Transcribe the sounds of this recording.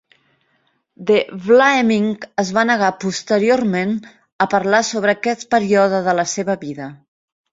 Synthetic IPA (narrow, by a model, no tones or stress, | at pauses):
d̪eβlaemiŋkəzβanəɣapust̪əɾioɾmen | əpəɾlasoβɾəːkɛt̪pəɾiɔðəðələseβəβiðə